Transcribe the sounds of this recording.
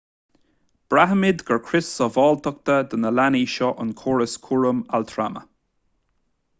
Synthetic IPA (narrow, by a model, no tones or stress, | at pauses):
b̥ɹaɦəmɪd̪ɡəɹkʰɹɪsːɔvɔːlt̪ək̚t̪əd̪ənəlaniːʃɔʔənkʰɔːɹəskʰuɹəmalt̪ʰɹa̰mə̰